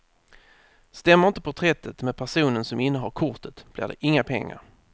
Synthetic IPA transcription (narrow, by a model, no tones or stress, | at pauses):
st̪ɛmːəɾɪnt̪əpʰʊt̪ʰɾɛt̪ʰːət̪meːd̪pʰæʂuːnənsɔmɪnːəɦaɾkʰʊt̪ət̪b̥lɪ̰ːɖɛ̰ʔɪŋːapʰɛ̰ŋːa̰ɾ